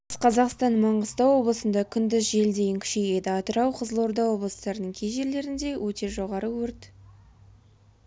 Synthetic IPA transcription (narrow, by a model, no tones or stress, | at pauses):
sqʰɑzɑqst̪ɑnmɑɴʁəst̪ɑwo̞blˠəsənd̪ɑkʲʰʏnd̪ɪzʒe̞ld̪e̞jɪŋkʲʰʏ̥ʃe̞je̞d̪ɪɑt̪əɾɑwqʰəzəlˠo̞ɾd̪ɑwo̞blˠəst̪ɑɾənəɴkʲʰejʒe̞ɾle̞ɾɪnd̪e̞wʔɵt̪e̞ʒo̞ʁɑɾəwɵɾt̪